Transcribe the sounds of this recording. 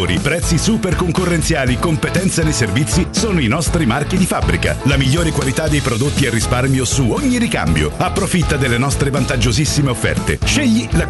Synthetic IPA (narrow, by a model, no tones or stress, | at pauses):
ɾḭpɾɛt̪sːisuperkoŋkorːent̪sjaːlikompet̪ɛnt̪senejservit̪sːisoːnoinɔst̪ɾimarkid̪ifabːɾika̰lamiʎːoːɾekwalit̪ad̪ːejpɾod̪ot̪ːiɛrːisparmjosuoɲːiɾika̰mbjo̰apːɾofit̪ːad̪elːenɔst̪ɾevant̪ad͡ʒːozisːimeofːɛ̰rt̪ḛʃeʎːila